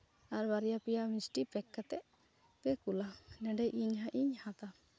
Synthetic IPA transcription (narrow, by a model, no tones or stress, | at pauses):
aɾbaɾijapɛjaʔmit͡ʃʈipɛkːat̪ɛʔ | pɛkulanɛɖɛjʔiɲɦaʔiɲhãt̪a